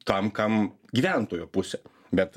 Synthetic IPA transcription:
t̪ɐmkɐm | ɡʲiːʋʲænt̪oːjoːpʊsʲɛː | bʲɛt̪

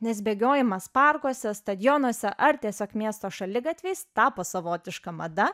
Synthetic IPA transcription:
nʲɛs̬bʲeːɡʲoːjɪmɐspɐrkoɔsʲɛst̪ɐd̪ʲjonuɔsʲɛʔɐɾt̪ʲiɛsʲoːkmʲiɛst̪oːʃɐlʲɪɡɐt̪ʲʋʲɛɪst̪ɑːpoːsɐʋoːt̪ʲɪʃkɐmɐd̪ɐ

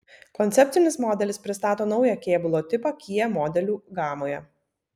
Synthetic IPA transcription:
kɔnʲt̪ʲɛpʲt̪sʲɪnʲɪsmɔːd̪ʲɛlʲɪspʲɾʲɪst̪ɑːt̪oːnɒʊjɛkʲeːbʊlˠoːt̪ʲɪpɐkʲiːjɛmɔːd̪ʲɛlʲuːɡɑːmoːjɛ

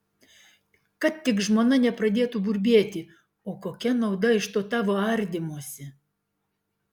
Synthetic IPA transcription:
kɐt̪t̪ːʲɪkʒmoːnɐnʲɛpɾɐd̪ʲeːt̪ubʊɾʲbʲeɛt̪ʲɪ | oːkoːkʲɛnɐʊd̪ɐɪʃt̪oːt̪ɑːʋoːɐɾʲd̪ʲɪmuɔsʲɪ

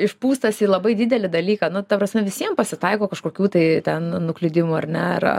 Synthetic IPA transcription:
ɪʃpuːst̪ɐsiːlˠɐbɐɪdʲɪd̪ʲɛlʲɪd̪ɐlʲiːkɐnʊt̪ɐpɾɐsʲmʲɛʋʲɪsʲiɛmpɐsʲɪt̪ɐɪkoːkɐʃkoːkʲuːt̪ɐɪt̪ʲɛnnʊklʲɪd̪ʲɪmuɐrnʲɛɐ̰r̰

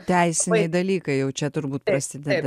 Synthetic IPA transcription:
t̪ʲɛˑɪsʲɪnʲɛɪd̪ɐlʲiːkɐɪjɛʊt͡ʃʲɛt̪ʊɾbuːt̪̚pɾɐsʲɪd̪ʲɛd̪

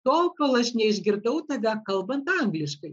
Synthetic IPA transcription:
t̪olkolˠəʃʲnʲɛiʒɡʲird̪owt̪ɐɡɑkɐlˠbɐnt̪ɑŋɡlʲɪʃkəj

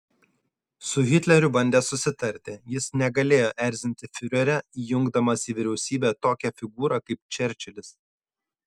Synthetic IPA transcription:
sʊɣʲɪt̪ʲlʲɛɾʲʊbɐnʲd̪ʲeːsʊsʲɪt̪ɐɾʲt̪ʲɪjɪsnʲɛɡɐlʲeːjoːʔɛɾʲzʲɪnʲt̪ʲɪfʲʊɾʲɛɾʲɛijʊŋɡd̪ɐmɐsʲiʋʲɪɾʲɛʊsʲiːbʲɛt̪oːkʲɛfʲɪɡuːɾɐkɐɪp̚t͡ʃʲɛɾʲt͡ʃʲɛlʲɪs

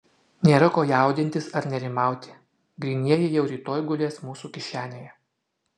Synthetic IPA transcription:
nʲeːɾɐkoːjæˑʊd̪ʲɪnʲt̪ʲɪsɐɾnʲɛɾʲɪmɑˑʊt̪ʲɪ̥ | ɡɾʲiːnʲiɛjɛjɛʊɾʲiːt̪oːjɡʊlʲeːsmuːsuːkʲɪʃʲæːnʲeːjɛ

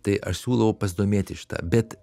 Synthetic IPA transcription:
t̪ɐɪʔɐʃsʲuːlˠɐʋɐʊpɐsʲd̪oːmʲeːt̪ʲɪʃʲɪ̥t̪ɑ̰ːbʲɛt̪

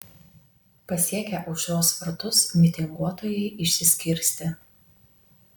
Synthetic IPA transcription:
pɐsʲiɛkʲɛʔɐʊʃʲoːsfɐɾt̪ʊsmʲɪt̪ʲɪŋɡuɔt̪oːjɛɪʔɪʃʲsʲɪsʲkʲɪɾʲsʲt̪ʲɪ

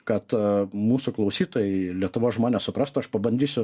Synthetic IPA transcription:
kɐt̪muːsʊklˠɐʊsʲiːt̪oːjɛɪlʲiɛt̪ʊʋoːsʒmoːnʲeːssʊpɾɑst̪ʊɐʃpɐbɐnʲd̪ʲiːsʲʊ

